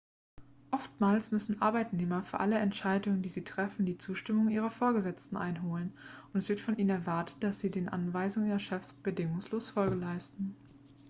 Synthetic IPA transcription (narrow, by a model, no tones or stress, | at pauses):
ʔɔftmaːlsmʏsn̩ʔaɐbaɪtneːmɐfyːɐʔaləɛntʃaɪdʊŋəndiːziːtʁ̥ɛfn̩diːt͡suːʃtɪmʊŋʔiːʁɐfoːɐɡəzɛt͡stn̩ʔa̰ɪnɦoːlənʔʊntɛsv̥ɪɐtfɔnʔiːnənɛɐvaɐtə̥t̚d̥asz̥iːdeːnʔa̰nvaɪzʊŋəiːʁɐʃɛfsb̥ədɪŋʊŋsloːsfɔlɡəlaɪstn̩